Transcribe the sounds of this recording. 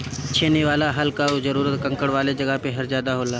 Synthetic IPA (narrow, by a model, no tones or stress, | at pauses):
t͡ʃʰeːneʋaːlaɦɐlkaozɐɾuːɾət̪kɐ̃ŋkəɽʋaːled͡ʒɐɡəpeɦɐɾzjaːd̪aɦoːlaː